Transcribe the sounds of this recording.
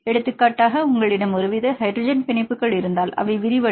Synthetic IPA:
ɛɽɯt̪ːɯkːaːʈːaːɣɐʊŋɡɐɭɪɽɐmɔɾɯʋɪðɐhɐɪdɾɔd͡ʒɐnpɪɳɐɪpːɯkːɐɭɪɾɯnd̪aːlɐ̰ʋɐɪʋɪɾɪʋɐ

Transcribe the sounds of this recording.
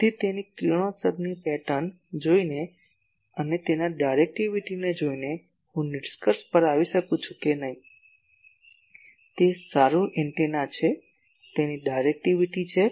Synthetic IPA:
t̪it̪enikiɽ̃õsəbnipɛʈən | d͡ʒoine | ənet̪enaɖajɾek̚ʈiʋiʈined͡ʒoine | hũnɪɖskəɾspəɾaʋiʃəkũt͡ʃʰũkenəɦĩ | t̪esaɾũʔɛɳʈenat͡ʃʰe | t̪eniɖajɾek̚ʈiʋiʈit͡ʃʰe

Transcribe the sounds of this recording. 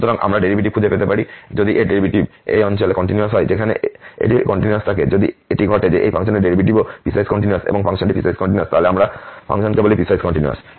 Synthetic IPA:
ut̪ɔɾaŋʔa̰mɾaɖeɾibʱiʈib̚kʰud͡ʑʱepet̪epaɾid͡ʒod̪iʔeɖeɾibʱiʈibḛjɔnt͡ɕɔlekɔɳʈinjuasɦɔjd͡ʑekʰaneḛʈikɔɳʈinuast̪ʰaked͡ʑod̪ḭeʈiɡʱɔʈed͡ʑeʔejpʰaŋʃɔneɖeɾibʱiʈibopisajskɔɳʈinuasḛboŋfʰaŋʃɔnʈipisajzkɔɳʈinjuast̪aɦoleamɾapʰa̰ŋʃɔnkebolipisajzkɔɳʈinua̰s

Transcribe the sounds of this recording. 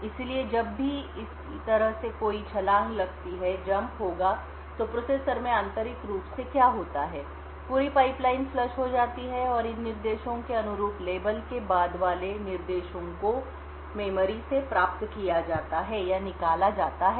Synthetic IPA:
ɪslied͡ʒɐbːʱiɪskit̪ɐɾəɦsekoːit͡ʃʰɐlaːɦlɐɡt̪iɦɛd͡ʒɐ̃mpɦoːɡa | t̪oːpɾoːseːsəɾmẽɐ̃nt̪əɾɪkɾuːpsekjaːɦoːt̪aɦɛː | puːɾipaːɪplaːɪnflɐʃɦod͡ʒaːt̪iɦɛɔːɾɪnːɪɾd̪eːʃõkeɐnʊɾuːpleːbəlkebaːd̪ʋaːlenɪɾd̪eːʃõko | meːməɾisepɾaːp̚t̪kijad͡ʒaːt̪aɦɛjanɪkaːlad͡ʒaːt̪aɦɛ

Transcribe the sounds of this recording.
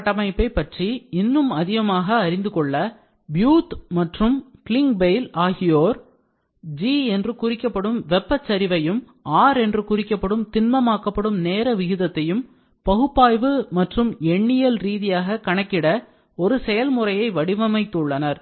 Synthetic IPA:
ʈːɐmɐɪpːɐɪpːɐʈriɪnːɯmɐðɪɣɐmaːɣɐːɾɪnd̪ɯkɔɭːɐ | bjuːt̪mɐʈrɯmkɪlɪŋɡbeɪlaːɣɪjoːɾ | d͡ʒiɛndrɯkʊrɪkːɐpːɐɽɯmʋɛpːɐt͡ʃːɐɾɪʋɐjɯm | aːɾɛndrɯkʊrɪkːɐpːɐɽɯmt̪ɪnmɐmaːkːɐpːɐɽɯmneːɾɐʋɪɣɯðɐt̪ːɐjɯm | pɐɣɯpːaːjʋɯmɐʈrɯmɛɳːɪjɐlɾiːðɪjaːɣɐkɐɳɐkːɪɽɐ | ɔɾɯsɛjɐlmʊrɐjɐɪʋɐɽɪʋɐmɐɪt̪ːɯɭːɐnɐɾ

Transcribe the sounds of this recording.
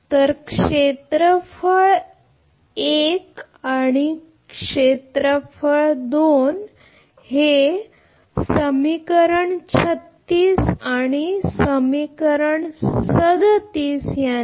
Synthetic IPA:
t̪əɾkʂet̪ɾəfəɭ | ek | aɽ̃i | kʂet̪ɾəfəɭd̪on | he | səmikəɾəɳt͡ɕʰət̪ːiːsaɽ̃isəmikəɾəɳsəd̪t̪iːsja

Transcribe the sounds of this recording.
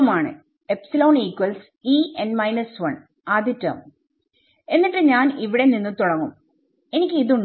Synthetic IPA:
maːɳɨ̰ | epsilo̞ːniːkːwɐls | iːenɖmɐjnɐsʋɐɳ | ɐðitːɐ̰m | e̞nːiʈːɨɲaːniʋiɽe̞ninːɨt̪uɽɐŋːum | e̞nikʲːɨiðuɳ

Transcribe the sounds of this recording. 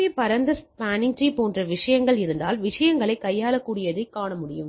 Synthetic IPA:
epɐɾɐnd̪ɐspaːnɪŋʈiɪpoːndrɐʋɪʂɐjɐŋɡɐɭɪɾɯnd̪aːlʋɪʂɐjɐŋɡɐɭɐɪkːɐjːaːlɐkːuːɽɪjɐðɐɪkːaːɳɐmʊɽɪjɯm

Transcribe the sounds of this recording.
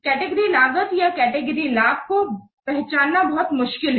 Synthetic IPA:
kɛːʈeɡəɾilaːɡəzjakɛːʈeɡəɾilaːb̚ko | pɛɦt͡ʃaːnːabɐɦʊt̪mʊʃkɪlɦɛ

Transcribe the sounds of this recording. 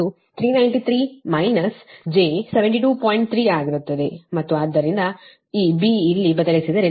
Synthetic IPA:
u | t̪ʰɾiːnɐjɳʈit̪ʰɾiːmɐjnɐsd͡ʒe̞ːseʋeɳʈiʈuːpoːjiɳʈ̚t̪ʰɾiːaːɡiɾut̪ːɐd̪e̞mɐt̪ːuaːd̪ːɐɾind̪ɐ | iːbiːlːibɐd̪ɐlisid̪ɐɾe

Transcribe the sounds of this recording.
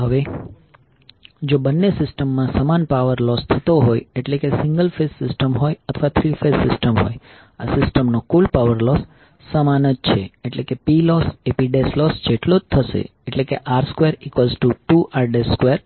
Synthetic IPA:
ɦəʋe | d͡ʒobənːesɪsʈəmːãsəmanpaʋəɾlɔst̪ʰət̪oɦojeʈlekesɪ̃ŋɡəlfesːɪsʈəmɦojət̪ʰəʋat̪ʰɾifesːɪsʈəmɦo̰j | asɪsʈəmnokulpaʋəɾlɔsː | əmanəd͡ʒ̚t͡ʃʰeeʈlekepilɔsepiɖeslɔsd͡ʒeʈlod͡ʒt̪ʰəʃḛ | eʈlekeʔaɾskʋeɾikʋəlzʈuʈuaɾɖeskʋeɾ

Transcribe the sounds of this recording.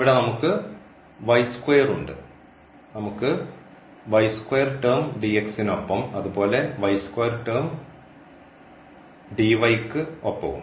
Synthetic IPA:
iʋiɽenɐmukːɨ | ʋɐjskwejɐruɳɖɨ | nɐmukːɨ | ʋɐjskwejːɐrʈɐrmɖieksino̞pːɐmɐðubo̞ːle̞ʋɐjskwejɐrʈɐrm | ɖiʋɐjkːɨopːɐ̰ʋṵm

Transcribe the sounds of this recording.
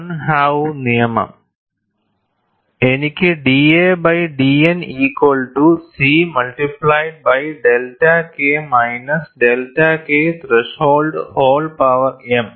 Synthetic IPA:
nhaːwnijɐmɐ̰m | enikʲːɨɖiːeːbɐjɖiːeniːkwɐlʈusiːmɐlʈiplaːjɖ̚bɐjɖelʈɐkeːmɐjnɐsɖelʈɐkeːt̪reʂhoːlɖhoːlɖpaʋɐrem

